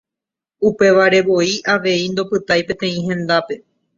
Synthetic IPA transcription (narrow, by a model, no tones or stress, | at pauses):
upe̞ʋaɾe̞ʋo̞iʔaʋe̞ind̪o̞pɨt̪ajpẽ̞t̪ẽ̞ĩɦẽ̞nd̪ape̞